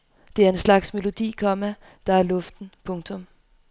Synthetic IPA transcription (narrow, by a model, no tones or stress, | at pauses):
d̥e̝æɐe̝nslɑ̈ɡ̥sme̝lo̝d̥ḭːkʰɒ̽mæ | d̥ɑ̈æɐlɔ̽fd̥n̩pʰɔ̽ŋt͡sʰɔ̽m